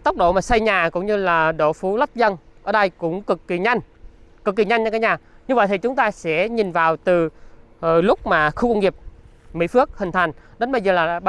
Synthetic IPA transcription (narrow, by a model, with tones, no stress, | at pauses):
t̪o˦˥k͡p̚ɗo̰˧˩maː˨˩sa˧jɲaː˨˩kʊ̰˧˥wŋ͡mɲɨ˧laː˨˩ɗo̰˧˩fu˨˦lə˦˥t̚zə˧nʔəː˧˩ɗə˧jkʊ̰˧˥ŋ͡mkɨ˨˩kːi˨˩ɲa˧jŋ | kɨ˨˩kːi˨˩ɲa˧jŋɲə˧kːaː˨˦jɲaː˨˩ɲɨ˧və̰˧˨jt̪ʰi˨˩t͡ɕʊ˨˦ŋ͡mt̪aː˧sɛ̰˧˥ɲi˨˩nvaː˨˩wt̪ɨ˨˩˨ | lʊ˦˥k͡p̚maː˨˩xu˧ka˧wŋ͡mŋi˨˩əp̚ | mḭ˧˥fɨ˦˥ək̚hï˨˩ŋ̟t̪ʰa˨˩jŋ̟ɗə˨˦nɓə˧jzəː˨˩laː˨˩ɓa˧